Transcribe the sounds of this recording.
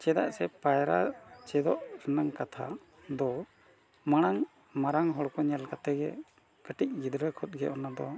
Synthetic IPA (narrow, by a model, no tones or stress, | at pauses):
t͡ʃɛd̪a̰ʔsɛpajɾa̰t͡ʃɛd̪ɔʔɾɛnaŋkat̪ʰa | d̪ɔ | maɽ̃aŋ | maɾaŋɦɔɽkɔɲɛlkat̪ɛɡɛ | kəʈic̚ˀɡid̪ɾəkʰɔt̪̚ɡɛ̰ʔɔnad̪ɔ